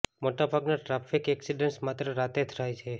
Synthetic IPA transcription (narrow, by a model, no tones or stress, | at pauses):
moʈabʱaɡnaʈɾafʰikɛksiɖensmat̪ɾəɾat̪et̪ʰɾajt͡ʃʰe